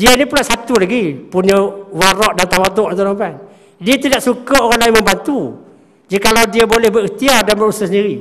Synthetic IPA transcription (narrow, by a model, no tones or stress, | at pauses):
diənipulaʔsat̪ulaɡipuɲəwaɾɔʔdant̪awat̪̬ʊʔant̪unamban | diət̪idaʔsukəoɣãnlajŋmə̃mbant̪u | d͡ʒikalawdiəbolɛhbəɾiht̪iadanbəusasəndiɾi